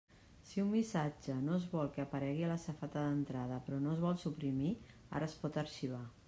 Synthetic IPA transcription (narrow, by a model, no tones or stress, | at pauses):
siumbisad͡ʒənoəzβɔlˠkəːpəɾɛɣiələsəfat̪əðənt̪ɾað̞əpɾɔnoəzβɔlˠsupɾimi | a̰ɾəːspɔt̪əɾʃiβ̞a